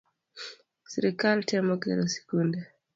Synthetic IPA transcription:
siɾikaltiamoɡɛ̰ɾosi̥kunde

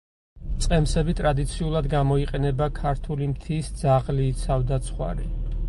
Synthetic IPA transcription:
t̪sʼqʼɛmsɛbit̪ʼɾad̪it̪sʰiulˠad̪ɡamɔiqʼɛnɛbakʰaɾt̪ʰulimt̪ʰisd̪z̥aʁliːsʰavd̪at̪sʰχwa̰ɾḭ

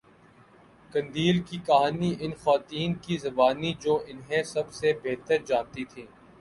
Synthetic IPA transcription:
kɐ̃nd̪iːlkikɐɦaːniʔɪnxaːt̪iːnkizɐbaːnid͡ʒoːʔɪnɦẽsɐbsebeːɦt̪əɾd͡ʒaːnt̪it̪ʰĩː

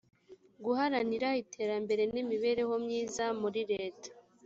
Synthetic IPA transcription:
ɡuɦaɾaniɾaitʰe̞ːɾambe̞ɾe̞nimiβe̞ːɾe̞ho̞mɲiːzamuɾiɾe̞ːtḁ

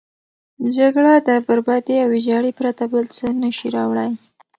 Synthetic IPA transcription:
d͡ʒaɡɽad̪əbaɾbɑd̪eawɪd͡ʒɑɽipɾat̪abəlt͡sənəʃiɾɑwɽaj

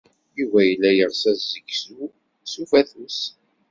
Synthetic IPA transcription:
ivæjəlːæjəʁsæzzːəɡsu | sufæθus

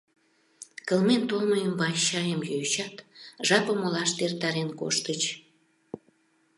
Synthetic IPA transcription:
kə̆lment̪oməjəmbɑɕɑjəmjojt͡ɕɑt̪ʒɑpəmolɑʃt̪ert̪ɑɾenko̰ʃt̪ət͡ɕ

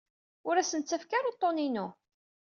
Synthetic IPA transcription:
ʊɾæsənt͡sːæfkaɾot̪ˤːoninu

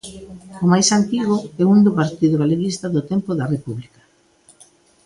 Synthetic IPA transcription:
ʊmajsant̪iɣʊɛund̪ʊpaɾt̪iðʊɣaleɣist̪aðʊt̪empoðarepuβlikḁ

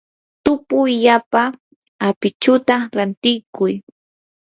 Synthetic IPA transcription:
t̪ʊpʊʎapa | apɪt͡ʃʊt̪aɾant̪ɪjkʊj

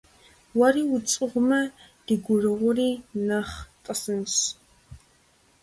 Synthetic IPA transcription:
wɐriːwʊt͡sʼɨʁʷʊmɐd̥iɡʷʊrɨʁʷʊriːnɐχtʼɐsɨns

